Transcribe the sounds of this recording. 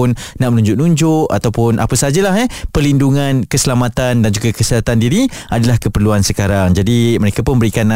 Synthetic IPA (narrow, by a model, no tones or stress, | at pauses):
nnaʔmənũɲd͡ʒʊʔnũɲd͡ʒʊʔa̰t̪awpʊnʔa̰pasəad͡ʒalaɦɛhpərlinduŋankəsəlamat̪andand͡ʒuɡakəsəat̪andiɾiadalahkəpərluansəkaɾaŋd͡ʒadiməɾekapʊnbəɾikanːa